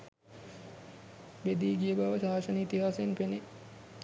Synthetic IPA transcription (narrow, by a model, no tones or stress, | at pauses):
bed̪iːɡijəbaʋəʃaːʃənit̪iɦaːsenpene